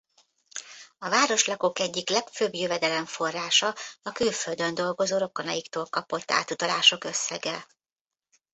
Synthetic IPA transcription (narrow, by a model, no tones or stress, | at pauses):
ɒvaːɾo̞ʃlɒko̞kɛɟːiklɛkføbjøvɛd̪ɛlɛɱfo̞rːaːʃɒɒkylføld̪ønd̪o̞lɡo̞zoːɾo̞kːonɒjikt̪oːlkɒpo̞t̪ːa̰ːt̪ut̪ɒlaːʃo̞kø̞sːɛɡɛ